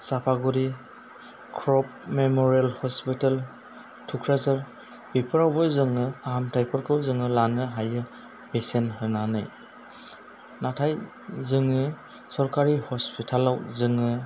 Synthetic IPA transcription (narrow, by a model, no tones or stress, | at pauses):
sapʰaɡuɾi | kʰɾɔp̚memɔɾialhɔspital | tʰukʰɾazaɾ | bipʰɯɾawbɔzɯŋɯaɦamtʰajpʰɯɾkʰɯwzɯŋɯlanɯɦajɯ | besenhɯnanɯ̰j | natʰaj | zɯŋɯ | sɔɾkaɾihɔspitʰalawzɯŋɯ